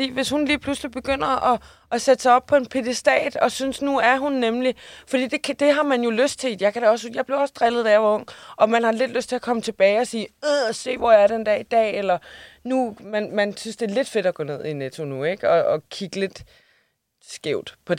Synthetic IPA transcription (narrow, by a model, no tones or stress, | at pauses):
d̥ḭːʋe̝shunliːpʰluslib̥e̝ɡ̥øn̰ɐʔɒ | ɒsed̥əsɑ̈ɒ̽b̥̚pʰɒ̽e̝npʰed̥esd̥ɛ̰ːd̥ɒ̽synsnuæɐɦunːemlifɒd̥ḭːd̥e̝kʰd̥e̝ɦɑ̈mænjo̝løsd̥̚t͡sʰe̝li̥jɑ̈ɪkʰæɾeɒ̽sjɑ̈ɪb̥leɒ̽səd̥ʁɛlð̞̩ˠd̥æɐʋɒɔ̽ŋ̰ɒ̽mænhɑ̈le̝d̥løsd̥̚t͡sʰe̝ɒkʰɒ̽mət͡sʰe̝b̥ɛːɪɒ̽siːøse̝̰ːʋɒæɐɾend̥ɛɐid̥ɛ̰ːelɐnumænmænsynsd̥e̝ːɐle̝d̥fe̝d̥ɒɡ̥ɔ̰ːne̝ð̞̰ˠinet͡sʰo̝nueɡ̥ɒ̽ɒ̽kʰiɡ̥əle̝d̥ | sɡ̥eʊd̥pʰɒ̽